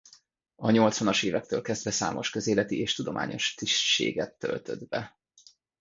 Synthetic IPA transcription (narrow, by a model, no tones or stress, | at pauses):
ɒɲo̞lt̪sʋɒnɒʃeːvɛk̚t̪øːlkɛzd̪vɛsa̰ːmo̞ʃkø̞zeːlɛt̪ieːʃt̪ud̪o̞mʔa̰ːɲo̞̰ʃt̪iʃʃḛːɡɛt̪ːø̞̰lt̪ø̞d̪bɛ